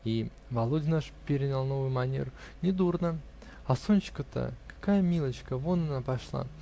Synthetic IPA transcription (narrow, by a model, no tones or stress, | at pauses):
i | vɐlˠodʲɪnaʂpʲɪɾʲɪnʲɪlˠno̞vʊjʊmɐnʲḛɾʊ | nʲɪd̪urnə | ɐsonʲt͡ɕɪ̥kət̪ə̰kḁkajəmʲilˠət͡ɕkəvonanapɐʂlˠa̰